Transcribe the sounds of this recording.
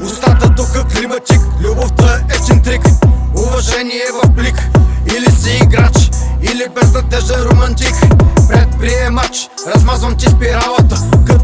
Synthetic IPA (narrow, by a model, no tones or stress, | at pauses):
nʊst̪at̪ət̪ukəklimɐt̪ʲiklʲuboft̪əɛt̪sɛnt̪ɾikʊvɐʒɛniɛvɐfblikilisɛiɡɾat͡ʃilipɾɛzvɐt̪ɛʒd̪əɾomɐnt̪ikpɾɛt̪̚pɾiɛmat͡ʃ | ɾɐzmazvɐmt̪ispiɾalˠət̪əkɐ